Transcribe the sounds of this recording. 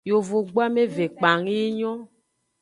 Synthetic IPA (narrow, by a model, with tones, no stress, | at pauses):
jo˨vo˨ɡ͡bo˦a˦me˦ve˨k͡pa˨ŋi˦i˦ɲɔ̃˦